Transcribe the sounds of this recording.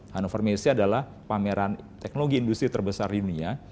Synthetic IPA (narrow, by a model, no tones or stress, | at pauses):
hanofarmesiadalah | pameɾant̪ɛk̚noloɡiːndust̪ɾit̪ərbəsardidunia